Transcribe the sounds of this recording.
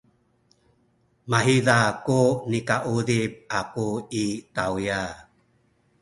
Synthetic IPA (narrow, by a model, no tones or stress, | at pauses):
maɦiðakunikaʔuðib̚akuit̪auja